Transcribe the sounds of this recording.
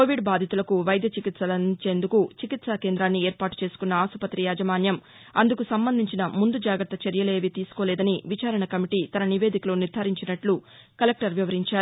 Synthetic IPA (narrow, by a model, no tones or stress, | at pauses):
koːʋiɖbaːd̪ʱit̪ulɐkuʋɐjɐd̪ʱjɐt͡ʃikit̪sɐlɐnt͡ʃe̞ːnd̪ukut͡ʃikit̪sake̞ːnd̪ɾaːnːieːɾpaːʈu̥t͡ʃe̞ːsu̥kunːɐaːsupɐt̪ɾijaːd͡ʒɐmaːnjɐm | ɐnd̪ukusɐmbɐnd̪ʱiɲt͡ʃinɐmund̪ud͡ʒaːɡɐɾt̪ːɐt͡ʃɐɾjɐleːʋit̪iːsu̥koːlɛːd̪ɐniʋit͡ʃaːɾɐɳɐkɐmiʈiːt̪ɐnɐniʋe̞ːd̪ikɐlo̞ːniɾd̪ʱaːɾiɲt͡ʃinɐʈlu | kɐlek̚ʈɐɾʋiʋɐɾiɲt͡ʃaːɾu